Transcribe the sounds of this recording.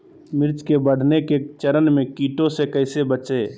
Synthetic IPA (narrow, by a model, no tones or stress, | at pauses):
mɪɾt͡ʃkebəɽ̤neket͡ʃəɾənmẽkiːʈõsekɐɪsebət͡ʃeː